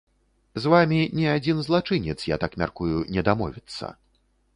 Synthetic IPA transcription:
zvamʲinʲɛad͡zʲinzlˠat͡ʂɨnʲɛt̪sja̰t̪akmʲa̰rkujunʲɛd̪amɔvʲit̪sːɐ̰

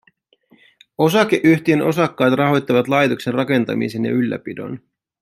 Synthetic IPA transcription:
o̞sɑk̟eʔyçt̪ie̞nʔo̞sɑkːɑːt̪rɑɦo̞jt̪ːɑʋɑt̪lɑjt̪okse̞nrɑke̞nt̪ɑ̰mḭse̞njɑ̰ylːæ̰pido̞̰n

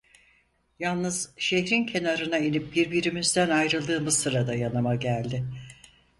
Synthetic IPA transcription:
jalˠnɯz̥ʃeɦɾincʰe̞naɾɯnainip̚biɾbiɾimizd̪ænajɾɯlˠd̪ɯːmɯzsɯɾad̪ajanamaɟælʲd̪ɪ

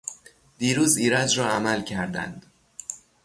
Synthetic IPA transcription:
d̪̥iːɾuːziːɾæd͡ʒɾɒːæmælcʰæɾd̪æ̰nd̪̥

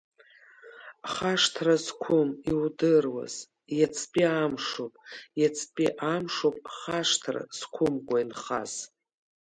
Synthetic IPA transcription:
χaʂtʰrazkʷʰʊmiwdɨrwa̰z̥ | jat͡sʰʼpʼiamʂopʼjat͡sʰʼpʼiʔamʂopʼχaʂtʰra̰z̥kʷʰʊmkʷʼainχa̰z̥

